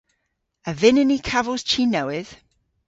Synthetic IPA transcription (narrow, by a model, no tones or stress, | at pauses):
əvɪnənikʰavəz̥t͡ʃʰinəwɪð̥